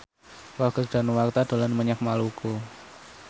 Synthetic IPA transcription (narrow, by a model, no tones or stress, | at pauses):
waɡ̥əkd̥a̤nuwart̪ad̥o̤lanməɲak̚maluku